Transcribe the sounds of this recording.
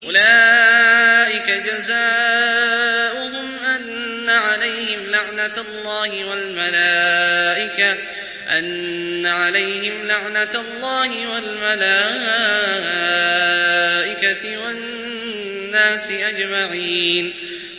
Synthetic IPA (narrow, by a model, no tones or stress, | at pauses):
ʔʊla | ʔɪkad͡ʒazaː | ʔʊɦʊmʔanːaʕalajhɪmlaʕnalˤːɑːhɪwalmalaːʔɪka | ʔa̰nːaʕalajhɪmlaʕnalˤːɑːhɪwalmalaː | a | ʔɪkawa | nːaːsɪʔad͡ʒmaʕiːn